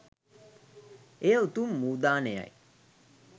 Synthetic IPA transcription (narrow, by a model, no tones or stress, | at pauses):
ejəut̪umːuːd̪aːneja̰j